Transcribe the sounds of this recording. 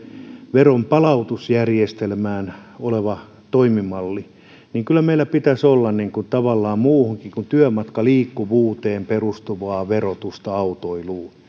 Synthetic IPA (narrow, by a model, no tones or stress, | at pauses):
ʋerompɑlɑut̪usjærjest̪elmæːnoleʋɑ | t̪oimimɑlːi | niːŋkylːˑæmeilːæpit̪æsolːɑnniŋkunt̪ɑʋɑlːɑːmmuːhuŋkikunt̪yœmɑt̪kɑliːkːuʋuːt̪eːmperust̪uʋɑːʋerot̪ust̪ɑɑut̪oiluː